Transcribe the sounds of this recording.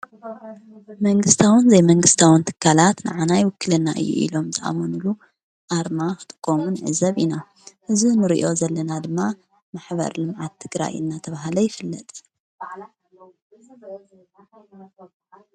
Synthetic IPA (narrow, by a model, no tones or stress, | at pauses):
mɐŋɡɨst̪ʰawɨnzɐjmɐŋɡɨst̪ʰawɨnt̪ʰɨ̥kʰːalat̪nɨ̰ʕanajwɨkːɨlɐnːa̰ʔɨ̰jːṵʔḭlo̞mt̪ʰɐʔa̰monulu | ʔaɾmakɨ̥t̪ʼɨkʼːomunʕɨ̰zɐβina | ʔɨzunɨɾḭʔo̞zɐlːɐnad̪ɨmːa | maħbɐ̰ɾlɨmʕat̪ʰːɨɡɾa̰jɨ̰nːat̪ʰɐβaɦlɐjɪfɨlːɐt̪ʼ